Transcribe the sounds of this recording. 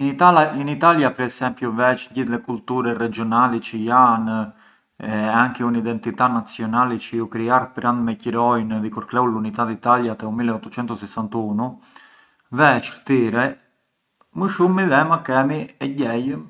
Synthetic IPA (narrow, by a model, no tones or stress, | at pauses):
init̪ainit̪aljapɛɾɛsɛmpjuvɛt͡ʃɲɟiθlɛkult̪uɾɛrɛd͡ʒiɔnalɛt͡ʃəjan | ɛaŋkɛunid̪ɛnt̪it̪anat͡sjɔnalɛt͡ʃəjukɾiaɾpəɾand̪mɛciɾɔjnvikuɾklɛulunit̪at̪it̪aljat̪ɛumilɛɔt̪ːɔt͡ʃɛnt̪ɔsɛsant̪unu | vɛt͡ʃt̪iɾɛ | məʃumːiðɛmakɛmiɛɟɛj